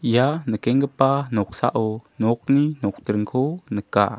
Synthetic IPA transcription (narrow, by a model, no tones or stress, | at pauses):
janəkɛŋkəpanɔk̚sa̰ʔɔnɔk̚ninɔk̚təɾŋkʰonəka̰